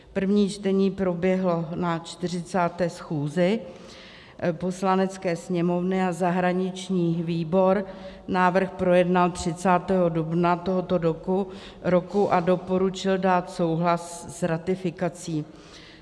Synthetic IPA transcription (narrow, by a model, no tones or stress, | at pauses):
pr̩vɲiːt͡ʃt̪ɛɲiːpɾo̞bjɛɦlonat͡ʃt̪ɪr̝ɪt͡saːt̪ɛːsxuːzɪ | po̞slanɛt͡skɛːsɲɛmo̞vnɪazaɦɾaɲɪt͡ʃɲiːviːbo̞ɾ | naːvr̩xpɾo̞jɛdnalt̪r̝̥ɪt͡saːt̪ɛːɦo̞dubnat̪o̞ɦot̪o̞ɾoku | ɾo̞kuʔado̞po̞ɾut͡ʃɪldaːt̪so̞wɦlassɾat̪ɪfɪkat͡siː